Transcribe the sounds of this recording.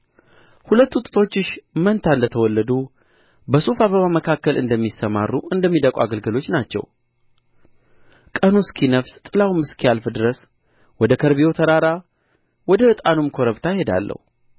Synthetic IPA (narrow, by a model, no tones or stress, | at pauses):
hulət̪ːuut̪ʼɨt̪ʰo̞t͡ʃːɪʃmənt̪ʰaɨnd̪ət̪ʰəwɔlːəd̪u | bəsufaβəβaməkʰakːəlɨ̰nd̪əmːisəmarːuʔɨnd̪əmːid̪əkʼuaɡəlɡɨlo̞t͡ʃːnat͡ʃːɛ̰w | kʼənuskʰinəfst̪ʼɨlawmɨskʰialfɨd̪ɨɾəs | wɔd̪əkʰəɾβijo̞t̪ʰəɾaɾa | wɔd̪əɨt̪ʼanumkʰo̞ɾəβt̪ʰajhe̞d̪a̰lːʔə̰hu